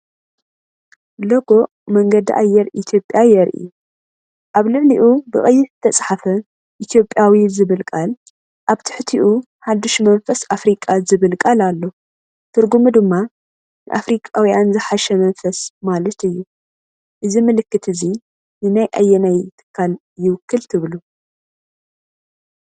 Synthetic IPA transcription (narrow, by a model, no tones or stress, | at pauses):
loɡo̞ | mɐŋɡɐd̪ḭʔa̰jːɛɾʔit̪ʰjo̞pʼːjajɛɾʔḭju | ʔaβlɨʕliʔubɨχʼɨjːɪzɨt̪ʰɐt͡sʼħafɐ | ʔit̪ʰjo̞pʼjawizɨβɨlkʼal | ʔaβt̪ʰɨ̥ħt̪ʰiʔu | ħad̪uʃmɐnfɐsafɾikʼazɨβɨlkʼalalːo̞ | t̪ʰɨɾɡumɨd̪ɨmːa | nɨ̰ʔafɾikʼawijanzɨħaʃɛmɐnfɐsmalɐt̪ɨjːu | ʔɨzimɨlɨkːɨt̪ʰɨzi | nɨnajʔa̰jːɛnajt̪ʰɨ̥kʰːal | jɪwʊkːɨlt̪ʰɨβlu